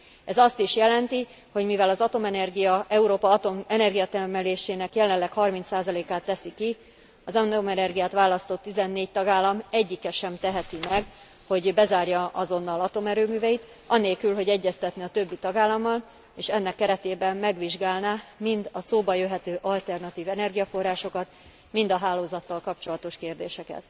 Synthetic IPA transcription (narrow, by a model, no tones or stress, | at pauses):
ɛzɒst̪iʃjɛlɛnt̪i | ho̞ɟmivɛlɒzɒt̪o̞mɛnɛrɡijɒʔɛuɾoːpɒɒt̪o̞mɛnɛrɡijɒt̪ɛrmɛleːʃeːnɛkjɛlɛnlːɛkhɒrmint̪saːzɒleːkaːt̪ːɛsiki | ɒzɒnomɛnɛrɡijaːt̪ʋaːlɒst̪o̞t̪ːizɛnːeːc̚t̪ɒɡaːlːɒmɛɟːikɛʃɛmt̪ɛɦɛt̪imɛɡ | ho̞ɟbɛzaːrjɒʔɒzo̞nːɒlɒt̪o̞mɛɾøːmyːvɛjit̪ | ɒneːlkylɦo̞ɟɛɟːɛst̪ɛt̪nɛɒt̪ø̞bːit̪ɒɡaːlːɒmːɒl | eːʃɛnːɛkːɛɾɛt̪eːbɛmːɛɡʋiʒɡaːlnaːmind̪ɒsoːbɒjøɦɛt̪øːʔɒlt̪ɛrnɒt̪iːvɛnɛrɡijɒfo̞rːaːʃo̞kɒt̪ | mind̪ɒɦaːloːzɒt̪ːɒlkɒpt͡ʃo̞lɒt̪o̞ʃkeːrd̪eːʃɛkɛ̰t̪